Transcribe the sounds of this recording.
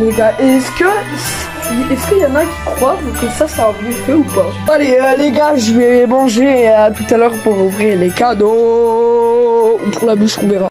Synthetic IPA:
d̪ɔ̃kaʔeɛskə | s | ɛskəjɑ̃nakʲi̥kχwamɛkəsasaːʁjɛfɛupaaleøleɡaʒəvɛmɑ̃ʒeat̪ut̪alœʁpuʁuvʁilekad̪o | upuʁlabyskɔ̃veʁa

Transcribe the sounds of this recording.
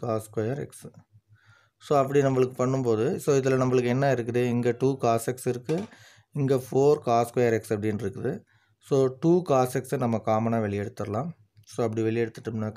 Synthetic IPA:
kaːskɐjɐɾɛ̰ks | soːɐp̬ːɐɽinɐmːɐɭɯkːɯpɐɳːɯmpoːðɯsoːɪðɪlɐnɐmːɐɭɯkːɯɛnːɐɪɾɯk̬ːɯðɯɪŋɡɐʈuːkaːsɛksɪɾɯkːɯ | ɪŋɡɐfoːɾkaːskwɐjɐɾɛksɐpːɐɽɪnɪɾɯkːɯðɯ | soːʈuːkaːsɛksenɐmːɐkaːmɐnaːʋɛɭɪjɛɽɯt̪ːɯɾɐlãːm | soːɐp̬ːɐɽiʋɛɭɪjɛɽɯt̪ːɯʈːɯmnːa

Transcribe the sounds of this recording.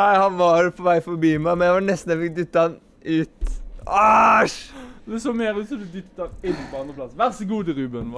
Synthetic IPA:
æɪhɑnʋɑɾpʰɔʋæɪfɔɾbiːmæɪmɛnjæɪʋɑnɛst̪n̩jæfɪkd̪ʏt̪ːəhɑn | ʉːt̪ɑʃd̪ɛsɔmeːɾʉːt̪sɔd̪ɛd̪ʏt̪ːt̪ɑʋɪnbɔɑnəpʰlɑsʋæʁsəɡuːd̪əɾʉːbənʋ

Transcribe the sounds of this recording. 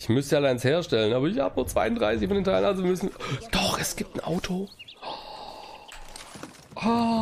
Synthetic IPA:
ʔɪçmʏstalɪnsheːɐʃtɛlənʔaːbɐɪçhaːbənuːɐt͡sv̥a̰ɪʊndʁaɪsɪçfɔndeːntʰaɪlənʔazomʏsn̩d̥ɔχʔɛsɡ̥iːp̚tn̩ʔa̰ʊtʰo | ʔa

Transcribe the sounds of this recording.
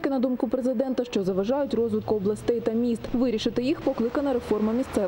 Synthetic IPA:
kɪnɐd̪umkʊpɾezɪd̪ɛnt̪ɐʃt͡ʃɔzɐʋɐʒɑjʊtʲrɔzʋɪt̪̚kʊɔblˠɐsʲt̪ɛjt̪ɐmʲist̪ʋɪɾʲiʃɪt̪ɪjixpɔklˠɪkɐnɐɾefɔrmɐmʲist̪sɛ

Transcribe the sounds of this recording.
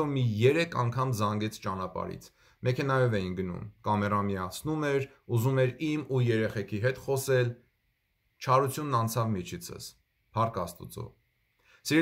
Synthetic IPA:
ɔmijɛɾɛkʰɑŋkʰɑmzɑŋɡɛt͡sʰt͡ʃɑnɑpɑ̰ɾḭt͡sʰ | mɛkʰɛnɑjɔvɛjinɡənṵmkɑmɛrɑmiɑt͡sʰnumɛɾ | uzumɛɾimujɛɾɛχɛkʰiɦɛt̪χɔsɛl | t͡ʃʰɑɾut͡sʰjunːɑnt͡sʰɑvmit͡ʃʰit͡sʰə̰s | pʰɑɾkɑst̪ṵt͡sɔ̰ | siɾɛ

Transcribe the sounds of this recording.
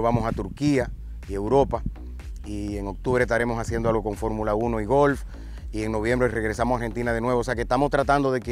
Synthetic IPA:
βamo̞sat̪uɾkia | ie̞wɾo̞pa | ieŋo̞k̚t̪uβ̞ɾehst̪aɾe̞mo̞sasje̞nd̪oalɣo̞ko̞ɱfo̞ɾmulauno̞iɣo̞lf | ie̞ŋno̞β̞je̞mbɾere̞ɣ̞ɾe̞samosaɾhe̞nt̪inað̞enwe̞β̞ose̞akest̪amo̞st̪ɾat̪and̪o̞ðe̞ke

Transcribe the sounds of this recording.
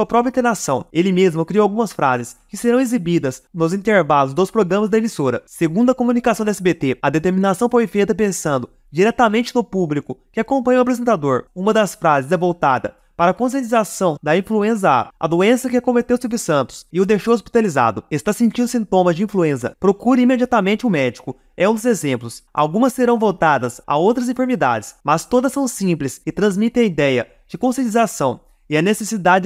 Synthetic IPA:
ɐpɾɔpɾɐĩt̪eɾnasɐ̃w̃elɪmezmʊkɾiowawɡũmɐsfɾa̰zɪskɪseɾɐ̃w̃ezibid̪ɐznʊzĩt̪eɾvalʊzd̪ospɾoɡɾɐ̃mɐzd̪ɐemisoɾɐseɡũnd̪ʊɐkomũnikasɐ̃w̃d̪ɛsɪbet̪eɐd̪et̪eɾmĩnasɐ̃w̃fojfejt̪ɐpẽsɐ̃nd̪ʊ | d͡ʒiɾɛt̪ɐmẽnt͡ʃɪnʊpublikʊkɪakõmpɐ̃ɲwapɾezẽnt̪ad̪oɾũmɐd̪ɐsfɾazɪzɛvowt̪a̰d̪ɐ | paɾɐkõs̬iẽt͡ʃizasɐ̃w̃d̪ɐĩfluẽs̬ɐa̰ɐ̰d̪oẽsɐkɪakõmet̪ewʊsuveɾsɐ̃nt̪ʊ̥sɪʊd̪ejʃowespi̥t̪aliza̰d̪ʊest̪asĩnt͡ʃĩd̪ʊsĩnt̪õmɐzd͡ʒɪĩfluẽsɐ̰pɾokuɾɐ̃imed͡ʒiat̪amẽnt͡ʃɪʊmɛd͡ʒikʊ | ɛũd̪ʊzezẽmplʊsa̰wɡũmɐsːeɾɐ̃w̃vowt̪ad̪ɐsa̰owt̪ɾɐzĩfeɾmid̪a̰d͡ʒɪsmɐst̪od̪ɐsːɐ̃w̃sĩplɪsɪt̪ɾɐ̃zmit̪ẽɐid̪ɛjɐ | d͡ʒɪkõsiẽt͡ʃizasɐ̃w̃ | ɪɐnesesid̪ad͡ʒɪ

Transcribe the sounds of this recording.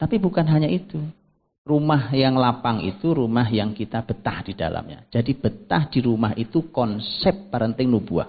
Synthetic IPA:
t̪apibukanɦaɲaʔit̪u | rumahjaŋlapaŋḭt̪uɾumaɦjaŋkit̪ab̥ət̪ahd̥ida̰lʔa̰mɲa̰d͡ʒadib̥ət̪ahd̥iɾumaɦit̪ukɔnsɛp̚ːəɾənt̪ɪŋnubua̰h

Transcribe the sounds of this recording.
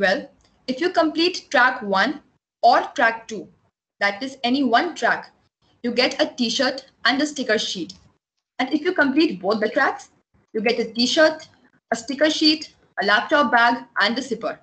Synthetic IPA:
ʋɛl | ɪfjuːkə̃mpliːʈːɾækʋʌ̃n | ɔːɾʈɾæk̚ʈuː | d̪æʈɪzɛniʋʌ̃nʈɾæk | juːɡɛʈəʈiːʃəɾt̪ | æ̃ɳɖəsʈɪkəɾʃiːʈ | æ̃ɳɖɪfjuːkə̃mpliːʈboːt̪̚ʰd̪əʈɾæks | juːɡɛʈəʈiːʃəɾt̪ | əsʈɪkəɾʃiːʈ | əlæːp̚ʈɔːp̚bæɡʔæ̃ɳɖd̪əsɪpəɾ

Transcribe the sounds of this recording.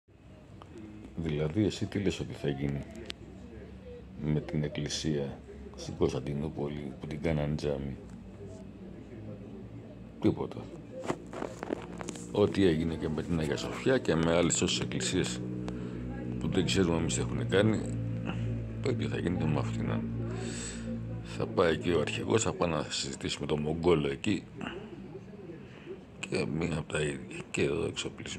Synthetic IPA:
ðilɐðie̞sit̪ile̞so̞t̪iθɐʝini | me̞t̪ine̞klisiɐ | st̪iŋɡost̪ɐd̪inupo̞liput̪iɡɐnɐnd͡zɐmi | t̪ipo̞t̪ʰɐ | o̞t̪ie̞ʝinece̞me̞t̪inɐʝɐso̞fçɐce̞me̞ɐleso̞sese̞klisies | puðe̞ɡze̞ɾunemise̞xune̞kɐni | pet̪joθɐ̰ʝinetemɐft̪inɐ̰n | θɐ̰pɐicioɐɾçḭɣo̞̰sθɐpɐnɐsizit̪isumet̪o̞mo̞ŋɡo̞lo̞e̞ci | cemiɐpot̪ɐiðʝɐceðo̰e̞̰ksopliz

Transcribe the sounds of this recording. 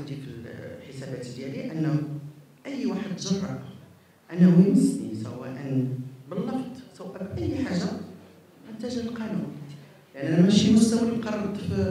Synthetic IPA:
d̪ikəlħəsæbæt̪ljæliʔənːæ | ʔəjːwaħəd̪ʒɑrˤːɑʕ | ʔænæwiməsnḭsæ̰wæ̰ʔənbəlːɑfd̪ˤsəwæbʔəjːħaʒːa | ʔənt̪æʒæəlqɑnun | lʔænʔænæmæʃimʊst̪æwqɑɾˤɑt̪ˤːəf

